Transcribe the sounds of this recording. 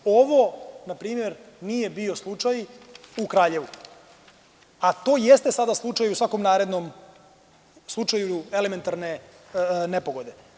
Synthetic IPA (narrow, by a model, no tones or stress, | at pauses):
o̞ʋo̞napɾiːmje̞ɾ | niːje̞bio̞slˠut͡ʂajukɾaːʎe̞ʋu | at̪o̞ːjest̪esad̪aslˠut͡ʃajusʋako̞mnaːɾed̪no̞m | slˠut͡ʃajue̞le̞me̞nt̪aɾne̞ | ne̞po̞ɡo̞d̪e̞